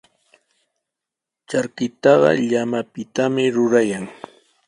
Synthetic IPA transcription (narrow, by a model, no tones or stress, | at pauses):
t͡ʃaɾkɪt̪ɑɢɑ̰ʎamapɪt̪amɪɾʊɾajaŋ